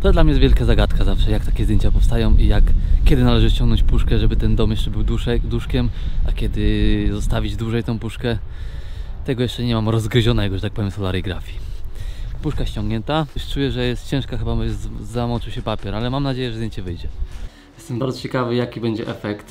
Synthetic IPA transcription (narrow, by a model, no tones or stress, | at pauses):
t̪ɔd̪lamɲɛjɛt̪vʲjɛlkazaɡat̪kazafʂɛjak̚t̪akʲɛzdʲjẽɲt͡ɕapɔfst̪ajɔ̃w̃ʔijakkʲːɛd̪ɘnalɛʐɘt͡ɕɔŋɡnɔ̃ɲt͡ɕpuʂkɛʐɛbɘt̪ɛnd̪ɔmjɛʂt͡ʂɛbɘwd̪uʂɛkd̪uʂkʲɛmakʲɛd̪ɘzɔst̪avʲid͡ʑd̪wuʐɛjt̪ɛ̃w̃puʂkɛ | t̪ɛɡɔjɛʂt͡ʂɛɲɛmamɾɔzɡɾɪʑɔnɛjɛɡɔʐɛt̪ak̚pɔvʲjɛmsɔlaɾɛjɡɾafʲji | puʂkaɕt͡ɕɔ̃ŋɡɲɛnt̪aʂt͡ʂujɛʐɛjɛst̪̚t͡ɕɛ̃w̃ʂkaxɘbamvzamɔt͡ʂiwɕɛpapʲjɛɾalɛmamnad͡ʑejɛʒʐɛzd̪ʲjeɲt͡ɕɛvɘjd͡ʑɛ | jɛst̪ɛmbaɾdd͡z̪ɔt͡ɕɛkavɘjakʲibɛɲd͡ʑɛʔɛfɛkt̪